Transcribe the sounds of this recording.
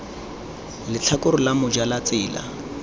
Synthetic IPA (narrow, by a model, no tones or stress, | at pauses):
lɪt͡ɬʰakʊɾʊlamʊd͡ʒalat͡sɪːla̰